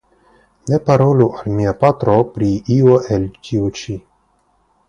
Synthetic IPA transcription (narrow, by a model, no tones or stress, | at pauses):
nepaɾoluʔalmiapat̪ɾopɾiioʔelt͡ʃiut͡ʃi